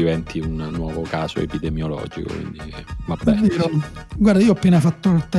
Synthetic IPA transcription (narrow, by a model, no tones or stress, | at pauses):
ivɛnt̪ʰiunːwɔːvokaːso̰ḛpid̪emjolɔ̰ːd͡ʒiko̰kwḭnd̪ivabːɛiɾoɡward̪aiːoɔapːeːnafat̪ːot̪ɛ